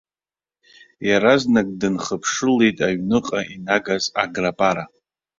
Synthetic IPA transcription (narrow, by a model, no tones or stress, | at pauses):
jaɾaznak̚ʼdɨnχəpʰʂɨlejtʼaɥnɨqʼaʔinaɡaza̰ɡrapʼaɾa